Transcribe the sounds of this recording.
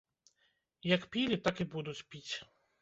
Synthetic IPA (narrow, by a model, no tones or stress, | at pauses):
jɐkpʲilʲit̪akibud̪ut͡sʲpʲit͡sʲ